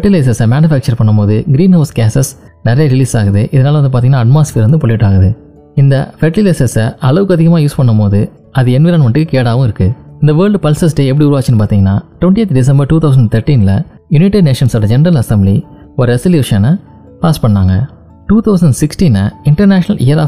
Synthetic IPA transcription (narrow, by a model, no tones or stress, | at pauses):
fʈːileːs̬ɐsɐmaːnjʊfæːk̚t͡ʃɐɾpɐɳːɐmpoːðɯɡɪɾiːnɦɐʊskeːsɐs | nɪɾɐjɐɾɪliːsaːɣɐðɯʔɪðɐnaːlɐndɯp̬aːt̪iŋɐnːaːɐʈmaːsfeːɾɐnd̪ɯpɔɭːɪʈːaːɣɐðɯ | ɪnd̪ɐfɛʈlileːsɐsʔɐɭɐʋɯkːɯɐðɪɣɐmaːjuːspɐɳːɐmpoːðɯ | ɐðɯɛnʋiːɾaːnɐmɐʈːɯkːɯkeːɽaːʋʊ̃ɪɾɯkːɯɪnd̪ɐʋɐːɾɭɖpɐlsɐs̬ɖeːɛp̬ːɐɽiʊːɾʊʋaːt͡ʃːɪnːɯpaːɾt̪iːŋɡɐnːa̰ːʈʊʋɐɳʈːiet̪ɖɪs̬ɐmbɐɾʈuːt̪ʰɐʊsɐɳɖt̪ʰɐɾʈiːnlɐ̰ | jʊnɪʈɐɖneːʂɐnsɔɽɐd͡ʒɛnɐɾɐlɐsɛmbli | ɔɾɯɛsɪljuːʂɐnɐ | paːspɐɳːaːŋɡɐ | ʈuːt̪ʰɐʊs̬ɐɳɖsɪksʈiːnɐɪɳʈɐɾnaːʂɐnɐlɪjɐɾaː